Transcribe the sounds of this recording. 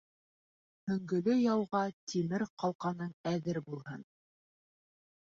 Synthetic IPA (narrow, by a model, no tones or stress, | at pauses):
hɵ̆ŋɡɵ̆lɵjɑwʁɑt̪imɘɾqɑlˠqɑnɤɴæðɘɾbulˠhɤn